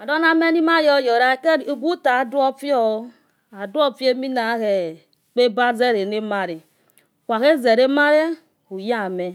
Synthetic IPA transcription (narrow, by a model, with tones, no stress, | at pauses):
a˨dɔ˦na˦me˦ni˦ma˦jɔ˦˨jɔ˨ɾa˨ke˦˨u˨ɡu˦ta˨du˦ɔ˦fi˦ɔ˦ | a˨du˦ɔ˦˨fi˦e˦mi˦na˨˦ɣe˨ | k͡pe˦ba˦ze˦ɾe˨ne˦ma˦ɾi˨ | kʷa˨ɣe˦ze˨ɾe˦ma˦ɾe˦ | hu˨ja˦˨me˨